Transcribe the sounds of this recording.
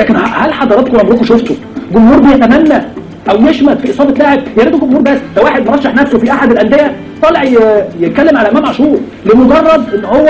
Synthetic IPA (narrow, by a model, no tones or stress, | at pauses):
læːkenæhælħɑd̪ˤɑɾˤɑt̪koʔɑmɾuːkoʃoft̪o | ɡomhuːɾˤbejæt̪æmænːæ | ʔæwjeʃmæd̪fiʔesˤɑːbɑt̪læhæb̪jeɾid̪oɡomhuːɾbæsːd̪æwaːħed̪mɑɾˤɑʃːɑħnæfsofiʔaħad̪elʔænd̪ejæ | t̪ˤɑleʕjjet̪̚kælːemʕalæʔæmæmaʕʃuːɾ | lemoɡɑrˤːɑd̪ʔenːhowːæ